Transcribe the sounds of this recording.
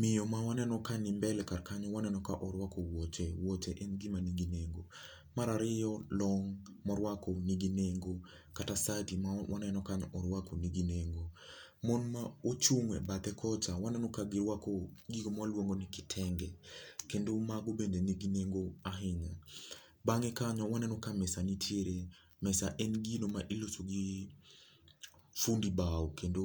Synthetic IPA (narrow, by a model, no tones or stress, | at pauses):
mɪjɔmawanɛnɔkanɪmbɛlɛkaɾkaɲɔwanɛnɔkaʔɔɾwakɔwot͡ʃewotɛʔenɡimaniɡineŋɡo | maɾaɾɪjɔlɔŋ | mɔɾwakɔniɡineŋɡo | katasatimawanɛnɔkaɲɔɾwakoniɡineŋɡo | mɔnmaot͡ʃuŋwɛ̰batɛkʰɔt͡ʃawanɛnɔkaɡiɾwakɔɡiɡɔmalwoŋɡonɪkɪ̥tʰɛŋɡɛkendomaɡobendeniɡineŋɡoaɦɪɲa | baŋɛkaɲɔwanɛnɔkamɛsanitʰjeɾe | mɛsaʔɛnɡinomaʔilosoɡi | fundibaokendo